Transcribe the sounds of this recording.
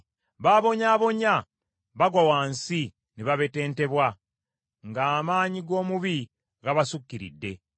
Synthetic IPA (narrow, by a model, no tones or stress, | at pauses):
βaβo̞ɲaːβo̞ɲa | βaɡwawaːnsi | niβaβe̞te̞ːnte̞βwa | ŋɡaːmaːɲiɡo̞ːmuβi | ɡaβasukːiɾḭdːe̞